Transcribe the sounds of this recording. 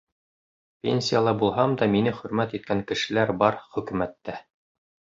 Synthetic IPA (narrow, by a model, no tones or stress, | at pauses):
pʲḛnʲsʲijalˠɑbulˠɦɑmd̪ɑminɘχɵ̆ɾmæt̪it̪̚kæŋkɘ̆ʃɘ̆læɾbɑɾχɵ̆kɵ̆mæt̪ːæ